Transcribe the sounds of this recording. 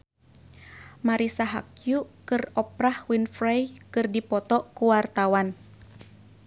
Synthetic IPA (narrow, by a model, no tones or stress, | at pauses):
maɾisaɦa̰kjukɨrɔpɾahwinfɾajkɨrdipɔt̪ɔkuwart̪awan